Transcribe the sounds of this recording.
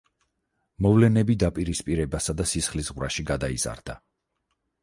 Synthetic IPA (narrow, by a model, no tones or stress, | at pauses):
mɔvlɛnɛbid̪apʼiɾispʼiɾɛbasad̪asisχlisʁvɾa̰ʃiɡad̪aiz̥a̰ɾd̪a